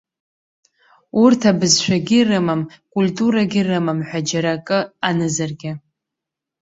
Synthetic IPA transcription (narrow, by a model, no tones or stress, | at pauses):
urtʰabɨzʃʷᶣaɡʲɪrɨmamkʼultʼuɾaɡʲɪrɨmamħʷᶣad͡ʒaɾakʼɨanɨzarɡʲɪ